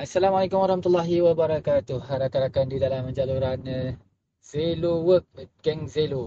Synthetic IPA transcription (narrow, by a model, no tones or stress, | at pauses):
asːalamalejkumwaɾahmat̪ulːaɦiwabaɾakat̪ʊhaɾakaɾakandidalaməɲd͡ʒaluɾan | zelowək̚ɡɛŋzelo